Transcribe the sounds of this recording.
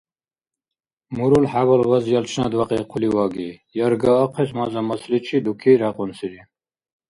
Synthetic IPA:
muɾulħawɔlwazjɑlt͡ʃʰnad̪waqʼɛqʰuliwaɡijɑɾɡaːqʰɛsmazamaslit͡ʃʰid̪ukʰiɾaqʼɔnsiɾi

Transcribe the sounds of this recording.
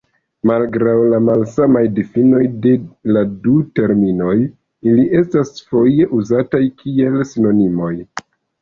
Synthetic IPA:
malɡɾawlamalsamajdifino̞jde̞ladute̞ɾmino̞j | iliʔe̞stasfo̞je̞ʔuzatajkʰie̞lsino̞nimo̞j

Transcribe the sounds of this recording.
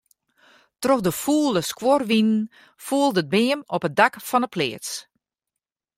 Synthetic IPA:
troxdəfuːlˠəskworʋinn | fuːəlˠdəd̚bɪːəmɔpət̚dakfɔnəpʰlɪ̰ːts

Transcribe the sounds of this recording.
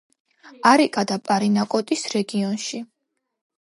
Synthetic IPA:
aɾikʼad̪apʼaɾinakʼɔt̪ʼisɾɛɡiɔnʃi

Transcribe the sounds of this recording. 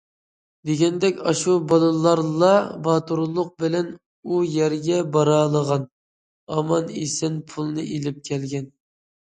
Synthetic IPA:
d̪eɡʲɛnd̪ɛkʲɑʃubɑlˠɨlˠɑɾlˠɑbɑt̪uɾlˠʊq̚bɪlɛn | ujɛɾɡʲɛbɑɾɑːlˠəʁɑn | ɑmɑnḛsɪnpʰulˠnɨʔelɪp̚kʲʰɛlɡʲɛn

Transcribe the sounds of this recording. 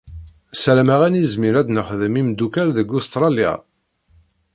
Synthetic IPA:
sɾæmæʁænizmiɾæd̪nəχðəmimd̪ukæɾðəɡust̪ɾˤɑlja̰

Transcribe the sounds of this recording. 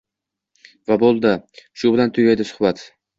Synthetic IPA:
vabolˠd̪ɪʃʊbɪlant̪ʰʊɡʲajd̪ɪsʊ̥hbat̪

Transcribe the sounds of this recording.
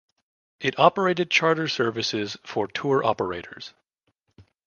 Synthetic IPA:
ɨɾɑpə˞eɪɾɨd̚t͡ʃʰɑɹɾə˞sɜ˞vɨsɪz̥fə˞tʰuɹʔɑ̰pə˞eɪɾə̰˞z̥

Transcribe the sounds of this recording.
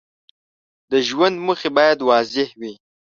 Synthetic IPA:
d̪əʒwand̪məxebɑjad̪wɑːzɪhwi

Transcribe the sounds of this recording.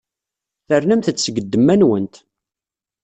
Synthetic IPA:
θərnæmθət͡sːsəɡəd̪ːəmːænwənt̪

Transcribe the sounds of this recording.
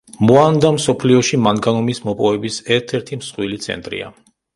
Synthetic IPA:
muand̪amsɔpʰliɔʃimanɡanɔmismɔpʼɔvɛbisɛɾt̪ʰɛɾt̪ʰimsχʼwilit̪sʰɛ̰nt̪ʼɾḭa̰

